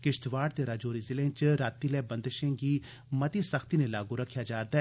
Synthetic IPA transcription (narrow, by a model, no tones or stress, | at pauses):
kɪʃʈʋaːɖt̪eɾaːd͡ʒoːɾizɪlẽt͡ʃɾaːt̪ilɛːbə̃nd̪ʃẽːɡiː | mət̪isəxt̪iːnelaːɡuɾəkʰːjaːd͡ʒaːɾd̪aːɛ